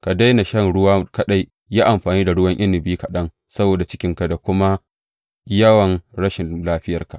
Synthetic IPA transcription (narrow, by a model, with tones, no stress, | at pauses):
ka˨da˦jna˨ʃɐ˦ŋɽʊ˦waː˦kɐ˦ɗa˦j | jaː˦ʔa˨mɸaː˨niː˦da˨ɽʊ˦wɐ˦ŋʔɪ˦nːɪ˨biː˦ka˨ɗɐ˦ŋ | sɐ˦boː˨da˨t͡ʃɪ̥˦kʲɪ˦ŋka˨da˨kʷʊ˦ma˦ | jɐ˦wɐ˨nɽɐ˦ʃɪ˨laː˦ɸɪ˦jɐ˨rka˨